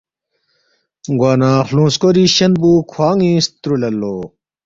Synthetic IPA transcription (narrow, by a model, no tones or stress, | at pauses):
ɡwaːnaːxlũːskoɾiɕɐnbuːkʰwaːŋĩːst̪ɾulɐlːoː